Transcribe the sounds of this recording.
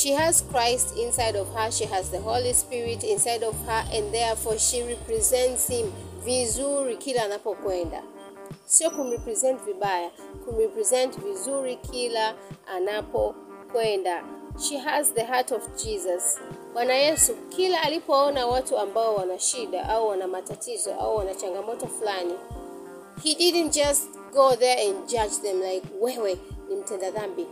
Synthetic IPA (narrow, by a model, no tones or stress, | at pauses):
ʃihaz̥kʰɹ̥aɪstʰĩnsaɪɾɔv̥həʃiɦazðəɦolispiɹitĩnsaɪdɔv̥hə˞ʔɛ̃nðɛɹfɔʃiɹɛpɹizɛ̃ntshĩmvizuɹikʰilaanapɔkwɛ̃nda̰ | sokũnɹɛpɹizɛ̃ntvibaja | kʰunɹɛpɹizɛ̃ntvizuɹikʰilaʔanapɔ | kwɛndaʃiɦazðəɦatɔvd͡ʒizaswanajɛsukʰilaːlipɔɔnawatuambaɔwanaʃiɗa̰ʔauwanamatatʰizɔ̰ʔa̰uwanat͡ʃaŋɡamɔtɔflani | hidid̃n̩td͡ʒast | ɡ̥oðɛ˞ɛ̃nd͡ʒad͡ʒðɛ̃mlaɪkwɛwɛnim̩tɛ̃ndaðambi